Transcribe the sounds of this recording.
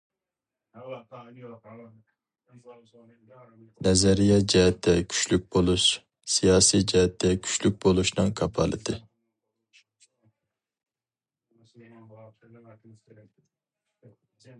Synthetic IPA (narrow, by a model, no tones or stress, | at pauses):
nɛzɛɾijɑd͡ʒɛɦɛt̪ʰːɛkʲʰy̥t͡ʃlyk̚ʲbolˠuʃ | sijɑːsijd͡ʒɛɦɛt̪ʰːɛkʲʰy̥t͡ʃlyk̚ʲbolˠuʃnɨŋkʰɑpʰɑ̰lˠɨ̰d̪ɨ